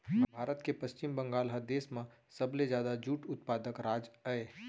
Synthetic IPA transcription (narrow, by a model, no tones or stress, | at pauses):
bʱaːɾət̪kepɐst͡ʃɪmbɐ̃ŋɡaːlɦɐd̪eːsmã | sɐbled͡ʒjaːd̪ad͡ʒuːʈʊt̪paːd̪əkɾaːd͡ʒaeː